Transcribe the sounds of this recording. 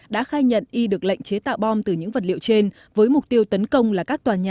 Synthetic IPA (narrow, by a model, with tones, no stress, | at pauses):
ɗa̰ː˧˥xaː˧jɲə̰˧˨nʔi˧ɗɨ˨˩ək̚la̰˧˨jŋ̟t͡ɕe˨˦t̪a̰ː˧˨wɓɔ˧mt̪ɨ˨˩ɲɨ̰˧˥ŋvə˨˩t̚lḭ˧ə˨wt͡ɕe˧n | vəː˨˦jmʊ˨˩k͡p̚t̪i˧əwt̪ə˨˦nkə˧wŋ͡mlaː˨˩kaː˦˥k̚t̪waː˨˩ɲaː˨